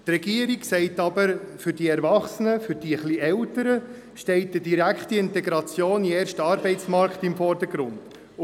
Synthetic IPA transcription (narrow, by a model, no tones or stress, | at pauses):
t̪rɛɡiəɾiksɛɪtɑbəɾfʏɾdiɛɾvɑχsənəfʏɾdiəχliɛltəɾə | ʃtɛɪtədiɾækχtiɪntɛɡɾɑt͡sjoːniɛːrʃtɑːɾbɛɪt͡smɑɾktɪmfɔrd̥əɡɾʊnd̥